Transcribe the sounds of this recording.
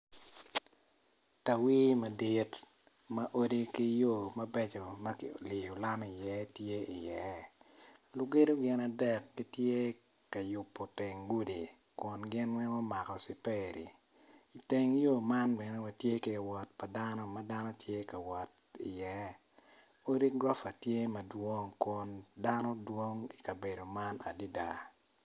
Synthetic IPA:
ta˨wi˦mɐ˨di˦t | mɐ˦ʔo˦di˦ki˦jo˦˨mɐ˦bɛ˦t͡ʃo˨mɐ˦kɪ̰˨o˨li˨jo˨la˦m˨i˨jɛ˦tje˦i˨jɛ˨˦ | lʊ˦ɡe˦do˦ɡɪ˨na˨dɛ˦˨kːi˦tje˦ | ka˨jʊ˨pːo˨te˨ŋɡu˦di˨ | kʊ˨nɡɪ˦nwɛ˦ŋɔ˦ma˨kɔ˨si˨pe˦ɾḭ˨ | i˨te˨ŋjo˦ma˦nbɛ˨nɛ˦wa˨tje˦ke˨ɡɛ˨wɔ˨t̚pa˨da˦no˦ma˦da˦no˦tje˦ka˨wɔ˨t̚ | i˨jɛ˨˦ | o˦ɾi˦kɡɾɔ˦fa˨tje˦mɐ˨dwo˦ŋkʊ˨nda˦no˦dwo˦ŋi˨ka˨be˨do˨ma˦na̰˨di˦da˨

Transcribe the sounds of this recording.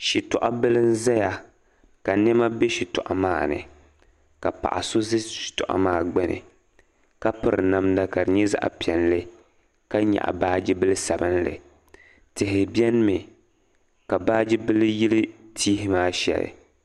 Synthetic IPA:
ʃi˨tɔ˨ʔa˦bɨ˦lɨ˦n˦za˦ja˨ | ka˨nɛ˦ma˦be˦ʃi˨tɔ˨ʔa̰˨maː˦˨nɨ̰˨ | ka˨pa̰˨ʔa̰˨so˦zɨ˦ʃi̥˨tɔ̰˨ʔa̰˨maː˦˨ɡ͡bɛ˦nɨ̰˨ | ka˦pɨ˨ɾɨ˨na˦mda˨ka˨ɾɨ˨ɲɛ˦za̰˦ʔa̰˨pi˨ɛ˨nlɨ˦ | ka˦ɲa̰˨ʔa̰˨baː˦d͡ʒi˦bɨ˦lɨ˦sa˨bɨ˦nlɨ̰˨ | tɨ˨ɦɪ˨bjɛ˦n˦mɨ˨ | ka˨baː˦d͡ʒi˦bɨ˦lɨ˦ji˦lɨ˦tʰiː˦ɦɪ˦maː˦ʃɛ̰˨lɨ̰˨

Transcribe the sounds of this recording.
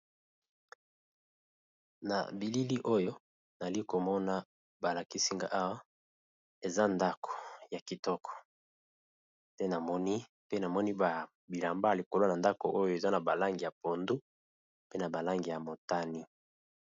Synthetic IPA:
na̰˨bi˨li˦li˦ʔo˦jo˦ | na˨li˦ko˨mɔ˦na˦ | ba˨la˨ki˦si˦ŋɡa̰˨ʔa˦wa˦ | e˨za˦nda˦kʰo̥˨ja˨ki˨tɔ˦kʰɔ̥˨ | te˦na˨mɔ˦ni˦ | pe˦na˨mɔ˦ni˦ba˨ | bi˨la˨mba˦a˨li˨ko˨lo˦na˨nda˦ko˨ʔo˦jo˦e˨za˦na˨ba˨la˦ŋɡi˨ja˨po˨ndu˦ | pe˦na˨ba˨la˦ŋɡi˨ja˨mo˨ta˦ni˦

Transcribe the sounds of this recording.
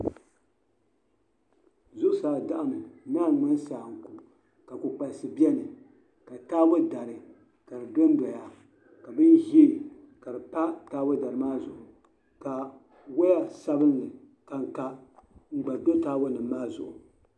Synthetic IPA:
zʊ˦ʔʊ˦saː˨da˨ʔa˦˨mɨ˨naː˦˨ŋ͡mɨ˦n˦saː˨ŋ̩˨ku˨ | ka˨ku˨k͡pa˨lsɨ˨bi˦ɛ˦nɨ˨ | ka˨taː˦bʊ˦da˨ɾɨ˨ | ka˨dɨ˨do˦n˦dɔ˨ja˨ | ka˨bɨ˦nhi˦e˦ | ka˨dɨ˨pa˦taː˦bʊ˦da˨ɾɨ˨maː˦zʊ˨ʔʊ˨ | ka˨ | wa˦ja˦sa˦bɨ˦nːɨ˨ | ka˨ŋ˨ka˦ŋ͡m̩˦ɡ͡ba˨do˦taː˦bʊ˦nɨ˨mː˦aː˦zʊ̰˨ʔʊ˨

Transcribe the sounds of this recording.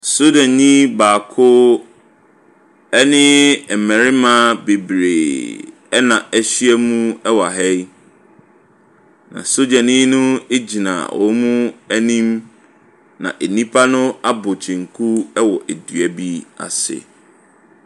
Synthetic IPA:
so˦dã˨nɲĩ˦baː˨kʰʊ˦ | ɛ˦nɪ̃˦˨mɛ̃˨ɾɪ˦mã˦be˨bɾeː˨ | ɛ˦nã˨æ˦ɕɥɛ˦mũ˦ɛ˦wa˨ɦɛ˦ | nã̰˨so˦dã˨nĩ˦nʊ̃˦e˦d͡ʑi˨nã̰˨wɔ̰˨˦mũ˦æ˦nĩ˦m | nã̰˨ʔe˨nĩ˦pʰa˦nʊ̃˦a˦bʊ˨t͡ɕʰɪ̃˨ŋ̩˨kʰu˦ɛ˦wɔ˨ʔe˨dɥɛ˨bi˦a̰˨sɪ̰˨

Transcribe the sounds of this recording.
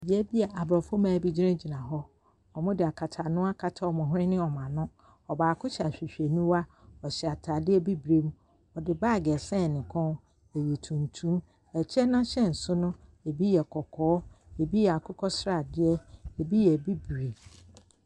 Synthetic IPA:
bi˨ɛ˦bi˦a˨ʔa˨bɾɔ˨fʊ˦mãː˨bi˦d͡ʑi˦ɾã˦d͡ʑi˨nã˨ɦɔ˦ | ɔ˨mʊ̃˦dɪ˨a˨kʰa˨tʰa˨nʊ̃˦a˦kʰa˨tʰa˨ɔ˨mʊ̃˨ɦʊ̃˦ɪ̃˦nɪ̃˦ɔ˨mã˨nʊ̃˦ | ɔ˨baː˨kʰʊ˦ɕɛ˨a˨ɕᶣi˨ɕᶣe˨nũ˦wa˦ɔ˨ɕɛ˨a˨tʰa˨dɪ˦ɛ˦bi˦bɾe˦m˦ | ɔ˨dɪ˨baː˦˨ɡɛ˨sɛ̃˦˨nɪ̃˨kʰɔ̃˦ | e˨je˨tʰũ˨ntʰũ˦m | ɛ˨t͡ɕʰɛ˦nã˦ɕɛ̃˦n̩˨sʊ˦nʊ̃˦e˨bi˦jɛ˨kʰɔ˨kʰɔː˨˦e˨bi˦jɛ˨a˨kʰʊ˦kʰɔ˦sɾa˨dɪ˦ɛ˦e˨bi˦jɛ˨bi˦bɾe˨

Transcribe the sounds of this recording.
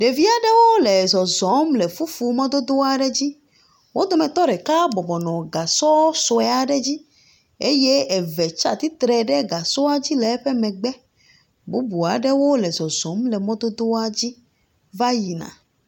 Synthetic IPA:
ɖe˨vi˦a˨ɖɛ˦wo˦lɛ˨zɔ˨zɔ˨˦mlɛ˨fu˦fu˨mɔ̃˦d̪o˦d̪o˦a˨ɖɛ˦d͡ʑi˦ | wo˦d̪o˦mɛ̃˨t̪ɔ˦ɖɛ˨ka˦bɔ˨bɔ˨nɔ̃˨ɡa˨sɔ˦so˨ɛ˦a˨ɖɛ˦d͡ʑi˦ | e˦je˦ɛ˨vɛ˨t͡ʃa̰˦t̪i˦t̪ɾɛ˨ɖɛ˦ɡa˨sɔ˦a˦d͡ʑi˦lɛ˨˦ɸɛ˦mɛ̃˨ɡ͡bɛ˦ | bu˦bu˨a˨ɖɛ˦wo˦lɛ˨zɔ˨zɔ̃˨˦mlɛ˨mɔ̃˦d̪o˦d̪o˦a˦d͡ʑi˦ | va˦ji˨nã̰˨

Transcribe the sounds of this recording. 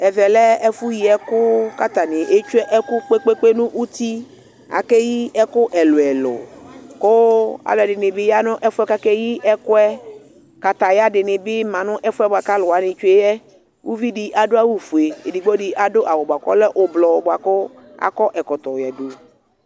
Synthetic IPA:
ɛ˨vɛ˨lɛ˦ɛ˦fu˦ji˨ɛ˦kʊ˦ka˦t̪a˨nɪ̃˨ʔe˦t͡ʃu˦ɛ˦ʔɛ˦kʊ˦k͡pe˦k͡pe˦k͡pe˦nʊ̃˦ʔu˦t̪i˦ | a̰˨kɛ˦ji˦ɛ˦kʊ˦ʔɛ˨lʊ˨ɛ˨lʊ̰˨ko˦a̰˨lʊ˨dɪ˨nɪ˨bɪ˦ja˦nʊ̃˦ʔɛ˦fʊ˦ɛ˦ka˦kɛ˦ji˦ʔɛ˦kʊ˦ɛ˦ | ka˨t̪a˨ja˦dɪ˨nɪ̃˨bɪ˦mã˨nʊ̃˦ʔɛ˦fʊ˦ɛ˦bʊ˨a˨ka˦lʊ˨a˨nɪ̃˨t͡ʃu˦e˦jɛ˦ | wu˦vi˦dɪ˦ʔa˨dʊ˦a˦wu˦fu˨e˨e˨di˨ɡ͡bɔ˦dɪ˦ʔa˨dʊ˦ʔa˨wɔ˨ba˨kɔ̰˦lɛ˦ʔʊ˨blɔ˨bʊ˨a˨kʊ˦ | a̰˨kɔ˦ʔɛ˨kɔ˨t̪ɔ˨jɛ˨do˨

